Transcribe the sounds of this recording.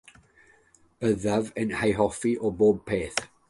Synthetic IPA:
b̥əðavənhajɦɔfiʔɔboːb̚pʰeːθ

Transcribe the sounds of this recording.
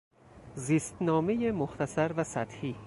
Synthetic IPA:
ziːst̪nɒːmejemoxt̪ʰæsæɾvæsæt̪hiː

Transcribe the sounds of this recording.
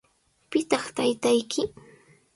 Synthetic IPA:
pɪt̪ɑχt̪ajt̪ajkʰɪ

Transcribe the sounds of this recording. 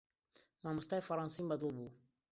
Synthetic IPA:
mamustaifaɾãnsĩmbadobo

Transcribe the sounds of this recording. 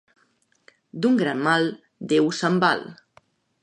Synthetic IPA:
d̪uŋɡɾanmalˠ | d̪ewsəmba̰l

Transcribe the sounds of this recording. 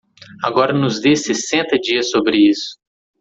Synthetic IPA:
aɡɔɾɐnʊzd̪esesẽnt̪ɐd͡ʒiɐsobɾɪisʊ̥

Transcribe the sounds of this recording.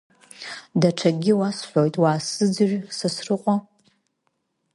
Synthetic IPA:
daʈ͡ʂʰaɡʲɪwasħʷᶣojtʼwaːsɨd͡zɨʒᶣsasrɨqʷʼa

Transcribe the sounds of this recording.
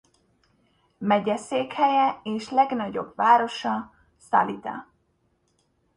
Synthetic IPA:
mɛɟɛseːkhɛjɛeːʃlɛɡnɒɟo̞̰bvaːɾo̞ʃɒ | sa̰lit̪ɒ̰

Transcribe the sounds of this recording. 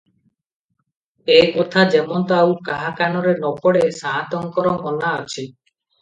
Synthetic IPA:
ekɔt̪ʰad͡ʒemɔnt̪ɔawkaɦakanɔɾenɔpɔɽesaɦat̪ɔŋkɔɾɔɡɔnaɔt͡ʃʰi

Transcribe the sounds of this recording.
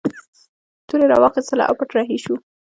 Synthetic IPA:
t̪uɾeɾɑ̰wɑxɪst̪əla̰ʔa̰wpaʈɾɑɦiʃu

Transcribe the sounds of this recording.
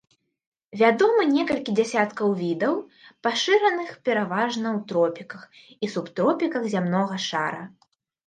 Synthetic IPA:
vʲad̪ɔmɨnʲɛkɐlʲkʲid͡zʲasʲat̪kɐwvʲid̪ɐwpaʂɨɾɐnɨxpʲɛɾavaʐnɐwt̪ɾɔpʲikɐx | isupt̪ɾɔpʲikɐɣzʲamnɔɣɐʂa̰ɾɐ

